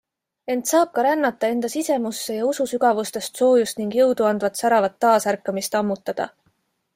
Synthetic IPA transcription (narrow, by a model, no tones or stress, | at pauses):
e̞nt̪sɑːb̥̚kɑɾænːɑt̪ːˑɑe̞nd̪̥ɑsise̞musːe̞jɑususyɡ̥ɑvust̪e̞st̪so̞ːjust̪niŋɡ̥jɤwd̪uɑnd̪̥vɑt̪sæɾɑvɑt̪ːɑːsærkːˑɑmist̪ɑmːut̪ːˑɑd̪̥ɑ̰